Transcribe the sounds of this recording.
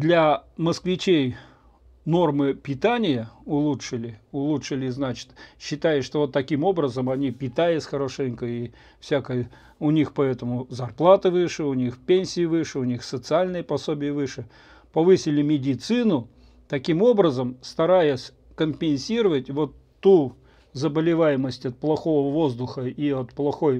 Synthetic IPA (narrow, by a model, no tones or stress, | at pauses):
d̪lʲɐməskvʲɪt͡ɕej | no̞rmɨpʲɪt̪anʲɪjəʊlˠutʂɨlʲɪʊlˠutʂɨlʲɪznat͡ɕɪ̥t̪ɕːɪt̪ajɪʂt̪ovot̪ːɐkʲimo̞bɾəzəmɐnʲipʲɪt̪ajɪsʲxəɾoʂɛnʲkəi | fsʲakəjə | ʊnʲixpɐɛt̪əmʊzɐrplˠat̪ɨvɨʂɨʊnʲixpʲenʲsʲɪjɪvɨʂɨʊnʲixsət̪sɨalʲnɨjəpɐsobʲɪjəvɨʂɨ | pɐvɨsʲɪlʲɪmʲɪdʲɪt̪sɨnʊ | t̪ɐkʲimo̞bɾəzəmst̪ɐɾajɪsʲ | kəmpʲɪnʲsʲiɾəvətʲvo̞t̪ːu | zəbəlʲɪvajɪməsʲtʲɐt̪̚plˠɐxo̞vəvo̞zd̪ʊxəiɐt̪plˠɐxo̞j